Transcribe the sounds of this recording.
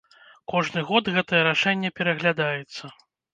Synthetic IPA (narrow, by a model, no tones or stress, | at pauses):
kɔʐnɨɣɔd̪ɣɛt̪ɐjɛɾaʂɛnʲːɛpʲɛɾɐɣlʲad̪ajɛt̪sːɐ